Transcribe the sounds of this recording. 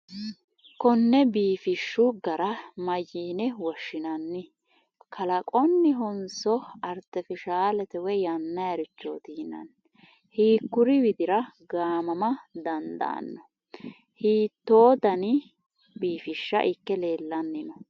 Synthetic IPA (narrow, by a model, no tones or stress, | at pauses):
kɔnːɛbiːfɪʃːʊɡɐɾɐmɐjːiːnɛwɔʃːɪnɐnːɪ | kʰɐlɐkʼɔnːɪɦɔnsɔɐɾt̪ɛfɪʃaːlɛt̪ɛwɛjɐnːɐjɐɾʊt͡ʃːo̰ːt̪iːnɐ̰n | hiːkːʊɾɪwɪd̪ɪɾɐɡaːmɐmɐd̪ɐnd̪ɐ̰ːnːɔ | hiːt̪ːo̞ːd̪ɐnɪ | biːfɪʃːɐ̰ʔɪkːɛle̞ːlːɐnːɪnɔ